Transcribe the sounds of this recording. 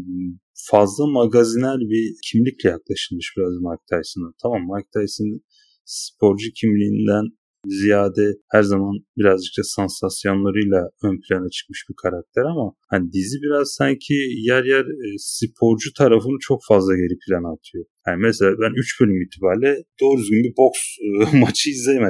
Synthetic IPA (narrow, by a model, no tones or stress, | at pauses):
fazlˠamaɡazinæɾbicʰimlʲicʲlʲɛjaklˠaʃɯlˠmɯʃb̥iɾazmaɾk̚t̪ʰajsɯnd̪ant̪ʰamamːaɾk̚t̪ʰajsɯn | sɨ̥pʰo̞ɾd͡ʒucʰimlʲiːnd̪æn | zijaːd̪ɛhæɾzamanbiɾazd͡ʒɯk̚t̪asansasjo̞nlˠaɾɯjlˠaønpʰilʲanat͡ʃʰɯ̥k̚mɯʃbikʰaɾak̚t̪ʰɛɾamahanid̪izibiɾaz̥saɲcʰijæɾjæɾsipʰo̞ɾd͡ʒut̪ʰaɾafɯnɯt͡ʃʰo̞kfazlˠaɟe̞ɾipʰilʲanat̪ʰɯjo̞janimɛselʲaːbænyt͡ʃbølʲymiːt̪ʰibaːɾlʲɛd̪̥o̞ːɾyzɡynbibo̞ksmat͡ʃʰɯjizem